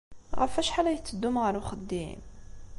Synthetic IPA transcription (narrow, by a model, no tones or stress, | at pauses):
ɣæ̰fæʃħalæjət͡s̪ːəd̪ːumɣəɾwxəd̪ːḭm